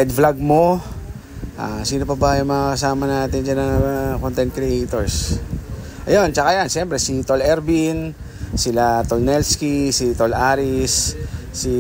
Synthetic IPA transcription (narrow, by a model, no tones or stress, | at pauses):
ɛd̪̚flaɡ̚mo̞ | ʔaːsiːnopɐbajʊŋmɐŋakɐsaːmɐnaːt̪ɪnd͡ʒanɐŋkont̪ɛn̚kɾɪʔɛjt̪oɹs | ʔɐjont͡ʃɐkajanʃɛmpɾɛsit̪olɛɾbin | sɪlat̪olnɛlskisit̪olʔaːɾɪsːi